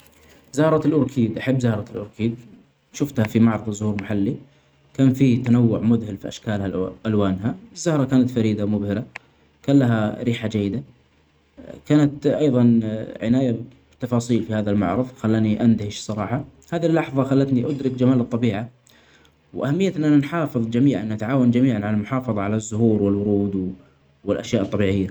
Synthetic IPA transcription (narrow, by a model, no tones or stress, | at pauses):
zahɾˤɑt̪ɪlʔʊɾkʰiːd̪ʔaħɪbːzahɾˤɑɪlʔʊɾkʰiːd̪̚ | ʃʊft̪hafimɑʕɾˤɑðˤzʊhuːɾmaħalːi | kaːnfiːt̪anawːʊʕmʊðhɪlfḭʔa̰ʃkaːlhaʔalwaːnɦaɪzːahɾˤɑkaːnat̪faɾiːd̪amʊbhɪɾa | kaːnlaɦaɾiːħad͡ʒajːɪd̪a | kaːnat̪ʔɑjðˤɑnʕɪ̰naːjabɪt̪ːɑfɑːsˤiːlfihaːðalmɑ̰ʕɾˤɑðˤxalːaːniʔand̪ahɪʃsˤɑɾˤɑːħɑ | haːðilːɑħðˤɑxalːat̪niʔʊd̪ɾɪkd͡ʒamaːlɨt̪ˤːɑbiːʕa | wʔahamːɪjːat̪nʔananħɑːfɨðˤd͡ʒamiːʕa̰nʔat̪ʕaːwand͡ʒamiːʕanʕalalmʊħɑːfɑðˤɑʕalazːʊhuːɾwɪlwʊɾuːd̪ | wɪlʔaʃjaːʔɑt̪ˤːɑbiːʕɪjːa